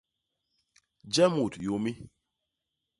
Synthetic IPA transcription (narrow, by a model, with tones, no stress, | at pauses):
d͡ʒɛ˦mu˨tjo˨˦mi˦